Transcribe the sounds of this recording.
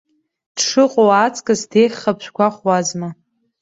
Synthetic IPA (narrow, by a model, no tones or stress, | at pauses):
d̥ʂɨqʷʼowat͡sʼkʼɨzdejχʲχapʰʃʷᶣkʷʰaχʷwazma